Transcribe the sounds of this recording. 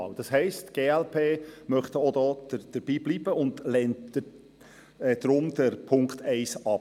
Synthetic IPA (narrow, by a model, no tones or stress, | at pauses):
ɑ̰ːld̥ɑshɛɪstɡ̥eːɛlpʰeːmœχtəod̪ɔːd̥əd̥əɾb̥iːbliːb̥əʊndlɛntə | ɛd̪̥ɾʊmd̪̥əɾpʰʊŋktʰɛɪsɑp